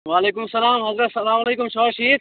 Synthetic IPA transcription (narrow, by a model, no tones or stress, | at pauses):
ʋaːleːkʊmsːɐlaːmɦɐzɾɐt̪sɐlaːmɐleːkʊmʃoːʃiːd̪̚